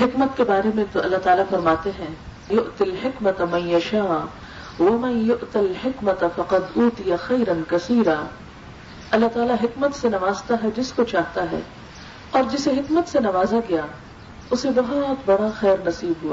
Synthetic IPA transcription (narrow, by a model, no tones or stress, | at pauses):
hɪkmət̪kebaːɾemẽt̪oʔɐlːaɦt̪aːlafɐɾmaːt̪eɦɛ̃ː | jʊʔt̪ɪlħɪkmɐt̪amɐ̃njɐʃaː | ʋɐmɐ̃njʊʔt̪alħɪkmɐt̪ɐfɐqɐd̪uːt̪ijaxɐːɾɐnkɐsiːɾaː | ɐlːaɦt̪aːlaɦɪkmət̪senɐʋaːzt̪aɦɛd͡ʒɪskot͡ʃaːɦt̪aɦɛ̰ː | ɔːɾd͡ʒɪseɦɪkmət̪senɐʋaːzaɡɐjaː | ʊsebɐɦʊt̪bɐɽaxɛːɾnɐsiːbɦuaː